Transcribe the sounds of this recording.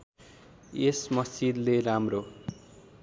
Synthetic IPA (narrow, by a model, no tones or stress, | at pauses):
esmʌsid̪leɾamro